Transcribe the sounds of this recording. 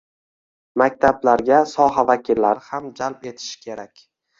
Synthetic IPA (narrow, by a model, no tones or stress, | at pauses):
mak̚ʲt̪ʰablaɾɡʲasɒɦavakʲʰilːaɾɪhamd͡ʒalpe̞t̪ʰɪ̥ʃɪ̥kʲʰe̞ɾakʲ